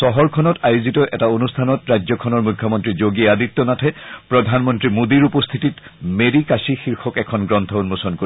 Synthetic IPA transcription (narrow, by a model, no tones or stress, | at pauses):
sɔɦɔɹkʰɔnɔtajuzitɔʔɛtaonustʰanɔtɹajzɔkʰɔnɔɹmukʰːjɔmɔntɹizoɡiadit̪ːɔnatʰɛpɹɔdʱanmɔntɹimod̪iɹupɔst̪ʰititmeɾikasixiɹxʰɔkɛkʰɔnɡɹɔnt̪ʰɔunmosɔnko